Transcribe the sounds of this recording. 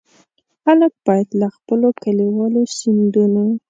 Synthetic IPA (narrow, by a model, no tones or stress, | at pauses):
xalək̚b̥ɑjad̪laxpəlokaliwɑloʃind̪uno